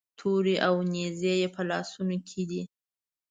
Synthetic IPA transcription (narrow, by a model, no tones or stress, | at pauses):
t̪ʰoɾiʔawnezejepəlɑsunokʰed̪i